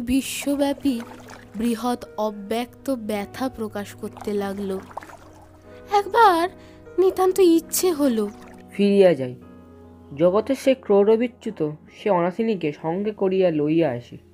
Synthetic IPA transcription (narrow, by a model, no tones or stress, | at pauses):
biʃːobɛpibɾiɦot̪ɔbːɛkt̪obɛt̪ʰapɾokaʃkoɾt̪elaɡlo | ɛkbaɾ | nit̪ant̪oitːɕʰeɦolo | fiɾijad͡ʑaj | d͡ʑɔɡot̪eʃekɾoɾobʱitːɕut̪oʃeɔnasʰinikeʃɔŋɡekoɾijalojjaeʃḭ